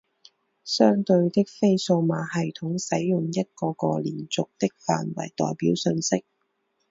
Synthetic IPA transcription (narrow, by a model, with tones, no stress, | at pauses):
sœː˥ŋt̪ɵ˧ɥt̪ɪ˥k̚fe˥jso˧wmaː˨˥hɐ˨jt̪ʰʊ˨˥ŋsɐ˨˥jːʊ˨ŋjɐ˥t̚kɔː˧kɔː˧lḭː˨˩nt͡sʊ˨k̚t̪ɪ˥k̚fa̰ː˨nwɐ̰˨˩jt̪ɔ̰ː˨jpiː˨˥wsɵ˧nsɪ˥k̚